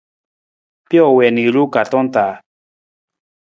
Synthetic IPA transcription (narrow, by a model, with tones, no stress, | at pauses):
pjɔ˦˨wɛ˨ni˨ɾu˦ka˨tɔ˦n˦t̪a˨˦